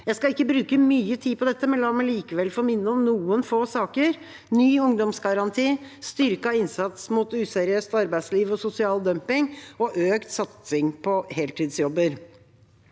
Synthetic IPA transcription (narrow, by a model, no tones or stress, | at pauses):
jæɪskɑɪkːəbɾʉːkəmyːət̪ʰiːpʰɔd̪ɛt̪ːəmɛlɔmɛliːkəʋɛlːfoːɾmɪnːəɔmnuːənfoːsɑːkəɾ | nyːʊŋd̪ɔmsɡɑɾɑnt̪ʰiːst̪ʏɾkɑɪnsɑt̪smuːt̪ʉːsæːɾɪøːst̪ɑɾbæɪsliːʋɔsʊsɪɑːld̪œmpɪŋɔʔøːkt̪sɑt̪sɪŋpʰɔheːlt̪iːd̪sjɔbːəɾ